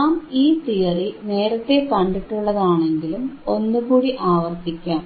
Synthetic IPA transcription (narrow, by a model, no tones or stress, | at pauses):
aːmiːt̪ijɐrine̞ːɾɐt̪ːe̞pɐɳɖiʈːuɭːɐðaːɳe̞ŋɡilumo̞nːukuːɽiʔaːʋɐrt̪ikʲːaːm